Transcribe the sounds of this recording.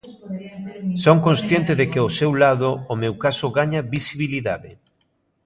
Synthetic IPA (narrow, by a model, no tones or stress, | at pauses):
soŋkõnsθjent̪ɪðekɪosewlaðʊːmewkasʊɣaɲabisiβiliðaðɪ